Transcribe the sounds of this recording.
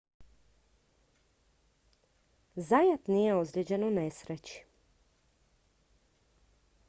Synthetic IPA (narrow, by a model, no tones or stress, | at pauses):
zajat̪nijeozɾʲied͡ʑenonesɾet͡ɕi̥